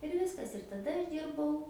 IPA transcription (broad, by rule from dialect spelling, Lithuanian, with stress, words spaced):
ɪr ˈʋʲɪskɐs ɪr tɐˈdɐ ɐʃ ˈdʲiːrbɐʊ